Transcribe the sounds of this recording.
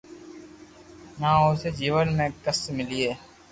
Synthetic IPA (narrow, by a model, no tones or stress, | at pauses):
nãːoːseːd͡ʒiːʋənmẽːkəsmɪlieː